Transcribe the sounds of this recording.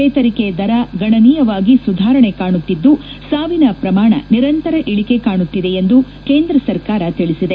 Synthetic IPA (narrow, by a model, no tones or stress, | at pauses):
ɛːt̪ɐɾiked̪ɐɾɐɡɐɳɐniːjɐʋaːɡisud̪ʱaːɾɐɳekaːɳut̪ːid̪ːusaːʋinɐpɾɐmaːɳɐ̰niɾɐnt̪ɐɾɐʔiɭike̞kaːɳut̪ːid̪eend̪u | ke̞ːnd̪ɾɐsɐɾkaːɾɐt̪iɭisid̪e